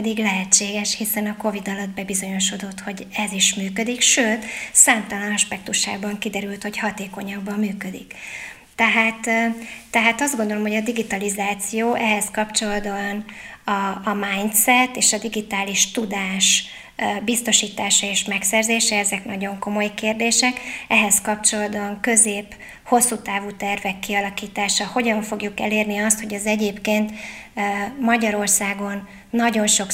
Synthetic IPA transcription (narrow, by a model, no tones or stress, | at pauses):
pɛd̪iɡlɛɦɛt͡ʃːeːɡɛʃhisɛnɒko̞vid̪ɒlɒd̪̚bɛbizo̞ɲo̞ʃo̞d̪o̞t̪ho̞ɟɛziʃmyːkø̞d̪ikʃøːt̪saːmt̪ɒlɒnɒʃpɛk̚t̪uʃa̰ːbɒŋkid̪ɛɾylt̪ho̞chɒt̪eːko̞ɲɒbːɒmːyːkø̞d̪ḭk | t̪ɛɦaːt̪ː | ɛɦaːt̪ɒzdɡond̪o̞lo̞mɦoɟɒd̪iɡit̪ɒlizaːt̪sijoːʔɛɦɛskɒpt͡ʃo̞lɒd̪onɒːmaːjnt̪sɛt̪ːeːʃɒd̪iɡit̪aːliʃt̪ud̪aːʃ | bist̪o̞ʃiːt̪aːʃɒeːʃmɛksɛrzeːʃɛɛzɛknɒɟo̞ŋko̞mo̞jkeːrd̪eːʃɛkɛɦɛskɒp̚t͡ʃo̞lɒd̪ɒŋkø̞zeːp | ho̞sːuːt̪aːvuːt̪ɛrvɛkːiɒlɒkiːt̪aːʃɒho̞ɟɒɱfo̞ɡjukɛ̰leːrniɒst̪ho̞ɟɛzɛɟeːpkeːnt̪ | mɒɟɒɾo̞rsaːɡo̞nː | ɒɟo̞nʃo̞k